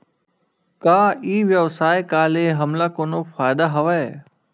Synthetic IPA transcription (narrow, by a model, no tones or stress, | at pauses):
kaːiːʋjɐʋsaːekaːleːɦɐmlakoːnoːfaːjd̪aɦɐʋaeː